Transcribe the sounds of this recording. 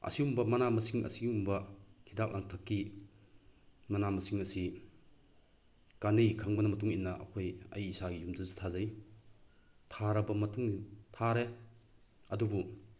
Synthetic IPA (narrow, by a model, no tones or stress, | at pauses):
ɐ̰siumbɐmɐnamɐsiŋɐ̰siɡumbɐhʰidap̚ʔaŋtʰɐkːi | mɐnamɐsiŋɐsi | kanejkʰaŋbɐnɐmɐtuŋinːɐʔɐ̰kʰojɐ̰jːsaɡijumdɐzi̥tʰazɐj | tʰaɾɐbɐmɐtuŋnitʰaɾe | ɐdubu